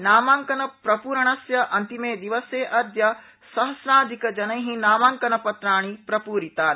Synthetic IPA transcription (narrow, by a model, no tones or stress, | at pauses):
naːmaːŋkɐnɐpɾɐpuːɾɐɳ̃ɐsjɐʔɐnt̪imeːd̪iʋɐseːʔɐɾd̪jɐ | sɐɦɐsnaːd̪ikɐd͡ʒɐnɐjɦĩnaːmaːŋkɐnɐpɐt̪ɾaːɳ̃ipɾɐpuːɾit̪aːɾ